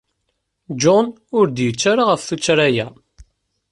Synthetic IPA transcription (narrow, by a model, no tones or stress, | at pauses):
d͡ʒɔn | ʊɾd̪jət͡sːaɾaʁəfθut͡sːɾæjæ